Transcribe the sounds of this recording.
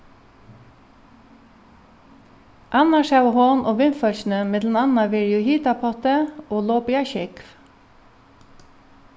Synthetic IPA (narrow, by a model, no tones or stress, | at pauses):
ʔɑnɑʃɑʉʋəhoːnʔoːʋɪnfœlʃn̩əmeːd̪n̩ɑnɑʋɪɾjuːhiːt̪ɑpʰɑt̪əʔoːloːpɪɑçɪkf